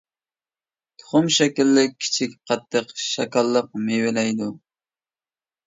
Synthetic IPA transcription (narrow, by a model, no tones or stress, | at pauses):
t̪ʰʊ̥χʊmʃɛkʲilːɪi̥t͡ʃʰikʲqʰɑt̪ʰːəqʃɑkɑlˠːəq̚mewɪlɛjd̪u